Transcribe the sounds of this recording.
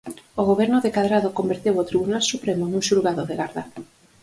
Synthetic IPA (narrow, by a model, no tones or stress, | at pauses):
oɣoβɛɾnʊðekaðɾaðokombeɾt̪ewot̪ɾiβunalsupɾemonuŋʃuɾɣaðoðeɣaɾða